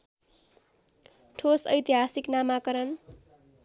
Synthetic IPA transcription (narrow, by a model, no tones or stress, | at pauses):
ʈʰosʌ̰jt̪iɦasiknamakʌɾʌn